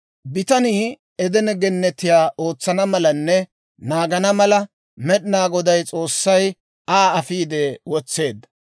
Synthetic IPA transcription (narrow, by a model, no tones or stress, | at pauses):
bɪt̪ɐniː | ɛd̪ɛnɛɡɛnːɛt̪ːɪjaːʔo̞ːt͡sːɐnɐmɐlɐnːɛ | naːɡɐnɐmɐlɐ | mɛɗɪnaːɡɔd̪ɐjt͡sʼo̞ːsːɐj | aːɐfiːd̪ɛwɔt͡sːe̞ːd̪ːɐ̥